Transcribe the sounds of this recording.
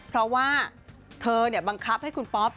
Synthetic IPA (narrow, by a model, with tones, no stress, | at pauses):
pʰɾɔ˦˥waː˥˩ | t̪ʰɤː˧ni˧˩ɐba˧ŋkʰa˦˥p̚ha˥˩jkʰu˧npɔː˦˥p̚